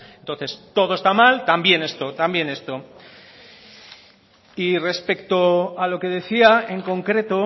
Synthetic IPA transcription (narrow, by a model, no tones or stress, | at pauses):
ent̪o̞nθe̞st̪o̞ð̞oe̞st̪amalt̪ambje̞ne̞st̪o̞t̪ambje̞ne̞st̪o̞ | ire̞spe̞kt̪o̞alo̞ke̞ð̞e̞θiae̞ŋko̞ŋkɾe̞t̪o̞